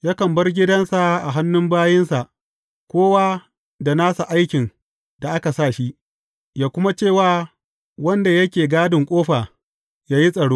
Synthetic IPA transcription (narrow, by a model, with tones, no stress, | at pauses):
jaː˦kɐ˨mbɐ˦rɡʲɪ˦dɐ˦nsa˨ʔa˨ɦa˦nːʊ˦mbaː˦jɪ˦nsa˨ʔ | kʷoː˦waː˦ | da˨naː˦sa˨ʔa˦jkʲɪ˨ŋ | da˨ʔa˦ka˨saː˦˨ʃi˦ʔ | jaː˦kʷʊ˦ma˦t͡ʃeː˦˨waː˦ | wɐ˦nda˨jɐ˦kʲeː˨ɡaː˦dɪ˨ŋkʷʼoː˦ɸaː˨ | jaː˦ji˦sʼɐ˨ɽoː˦